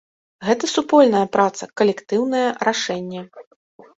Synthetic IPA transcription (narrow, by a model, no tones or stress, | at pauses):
ɣɛt̪ɐsupɔlʲnɐjɐpɾat̪sɐkɐlʲɛkt̪ɨwnɐjɛɾaʂɛnʲːɛ